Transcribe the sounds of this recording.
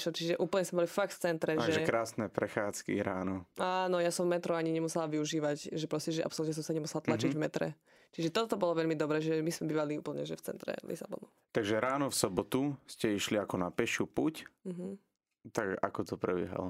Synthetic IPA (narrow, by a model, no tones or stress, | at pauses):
ʃlɔt͡ʃiʒɛʔuːpl̩ɲɛsmɛbɔlifak̚ft͡sɛnt̪ɾɛʒɛʒɛkɾaːsnɛpɾɛxaːt͡skḭɾaːnɔaːnɔjasɔmvmɛt̪ɾɔaɲiɲɛmusɛlaʋiuʒiːʋacʒɛpɾɔscɛʒɛa̰psɔlut̪ɲɛs̬ɔmsaɲɛmusɛlat̪lat͡ʃiɟvmɛt̪ɾɛ̰ | t͡ʃiʒɛt̪ɔt̪ɔbɔlɔʋɛʎmid̪ɔbɾɛːʒɛɛmismɛbiːʋaliuːpl̩ɲɛʒɛft͡sɛ̰nt̪ɾɛ̰lḭsabɔ̰nu | t̪aɡʒɛɾaːnɔfsɔbɔt̪uscɛiʃliakɔnapɛʃɪupuc̩ɦ̩ | t̪aɡa̰kɔt̪ɔpɾɛbɪɛ̰ɦa̰lɔ